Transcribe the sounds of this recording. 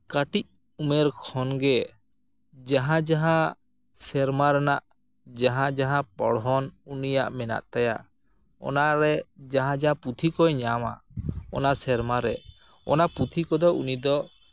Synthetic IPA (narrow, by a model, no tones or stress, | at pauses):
kaʈic̚ | umɛɾkʰɔnɡɛ | d͡ʒaɦãd͡ʒaɦã | sɛɾmaɾɛnaʔ | d͡ʒaɦãd͡ʒaɦãpɔ̰ɽɦɔnunijaʔmɛna̰ʔt̪aja̰ʔ | ɔ̰naɾɛd͡ʒaɦãd͡ʒaɦãput̪ʰikɔjɲama̰ɔ̰nasɛɾmaɾɛ | ɔ̰napɾut̪ʰikɔd̪ɔṵnid̪ɔ